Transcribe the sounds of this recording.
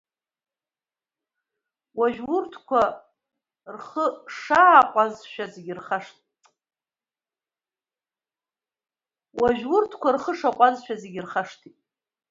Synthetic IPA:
waʒᶣwʊrtʰkʷʰa | rχəʂaːqʷʼazʃᶣazeɡʲɪrχaʂtʰʼ | waʒᶣwʊrtʰkʷarχəʂaqʷʼazʃᶣazeɡʲɪrχaʂtʰitʼ

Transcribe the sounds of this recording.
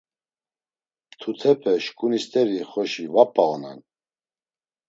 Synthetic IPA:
t̪ʰut̪ʰɛpʰɛʃkʼunist̪ʼɛɾiχɔʃivapʼːalɔna̰n

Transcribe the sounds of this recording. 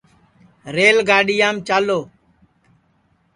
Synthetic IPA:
ɾeːlɡʱaːɗiːjaːmt͡ʃaːloː

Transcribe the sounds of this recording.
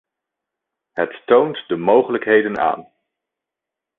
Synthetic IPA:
ɦəttowntdəmowχələkɦejdəna̰ːn

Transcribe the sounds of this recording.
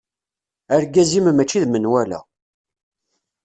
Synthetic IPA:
æɾɡæzimmæt͡ʃːiðmənwælæ̰

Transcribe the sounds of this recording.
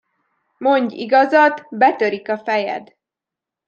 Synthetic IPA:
mo̞ɲɟḭɡɒzɒd̪bɛt̪øɾikɒfɛjɛ̰d̪

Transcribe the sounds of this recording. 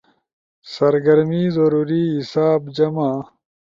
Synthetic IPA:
sɐɾɡɐɾmiːzɐɾuːɾiɦisaːbd͡ʑɐmaː

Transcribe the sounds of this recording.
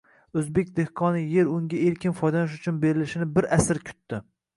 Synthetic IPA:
ɵzbek̚ʲd̪e̞hqʰɒnɪje̞ɾʊŋɡʲaeɾkʲɪnfɒjd̪anɪʃ̬ʊt͡ʃʰʊnbe̞ɾɪlɪʃɪnɪbɪɾasɪɾkʲʰʊ̥t̪ːɪ

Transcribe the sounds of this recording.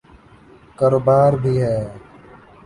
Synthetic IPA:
kaːɾoːbaːɾbʱiːɦɛː

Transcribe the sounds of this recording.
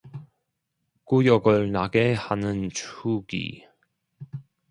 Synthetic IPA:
kujʌɡɯɭnaɡehanɯnt͡ɕʰuɡḭ

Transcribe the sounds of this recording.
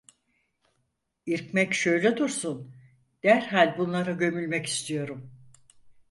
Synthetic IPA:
iɾcmɛcʃø̞jlʲɛd̪uɾsun | d̪̥æɾɦalʲbunlˠaɾaɟø̞mylʲmɛci̥st̪ʰijo̞ɾum

